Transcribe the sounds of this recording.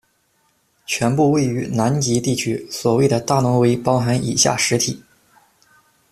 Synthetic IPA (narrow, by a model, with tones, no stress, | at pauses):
t͡ɕʰɥɛ˧˥npu˥˧we˥˩ɪy˧˥na˧˥nt͡ɕi˧˥t̪i˥˩t͡ɕʰy˥swɔ˨˩we˥˩ɪd̪ə˩t̪a˥˩nʊ˧˥ŋwe˧˥ɪpɑ˥ʊxa˧˥ni˨˩ɕja̰˥˩ʂɻ̩˧˥t̪ʰi˨˩˦